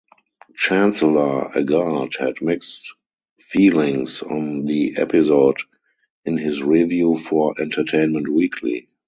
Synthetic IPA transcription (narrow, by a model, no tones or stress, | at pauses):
t͡ʃæ̃nsələ˞ə̰ɡadhɛdmɪkst | fiːlɪ̃ŋsɔ̰̃nðiʔɛ̰pɪzod | ɪ̃nhɪsɹivjuːfɔʔɛ̃ntʰətʰẽɪ̃nmɛ̃ntwiːkʰlḭ